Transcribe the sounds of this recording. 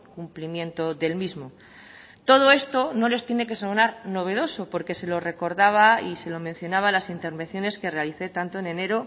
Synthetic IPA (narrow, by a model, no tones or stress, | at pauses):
kumplimjẽ̞nt̪o̞ðe̞lmizmo̞ | t̪o̞ð̞oe̞st̪o̞no̞le̞st̪jene̞ke̞sonaɾno̞β̞e̞ð̞o̞so̞po̞ɾke̞se̞lo̞re̞ko̞ɾðaβ̞aise̞lo̞mẽn̟θjo̞naβalasint̪e̞ɾβe̞nθjo̞ne̞skerealiθe̞t̪ant̪oene̞ne̞ɾo̞